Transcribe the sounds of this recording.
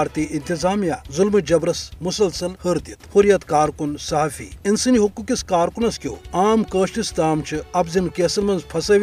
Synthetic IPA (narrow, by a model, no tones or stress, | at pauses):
ɾt̪iːʔint̪izaːmjaːzulmɨd͡ʒɐbɾɐsmusɐlsɐlhəɾt̪it̪huɾjɐt̪kaːɾkunsɐɦaːfḭːinsɨniɦukːukiskaːɾkunɐskʲo̰ːaːmkəːʃʈist̪aːmt͡ʃʰiɐbzinkeːsɐlmɐnzpʰɐsɐʋʲ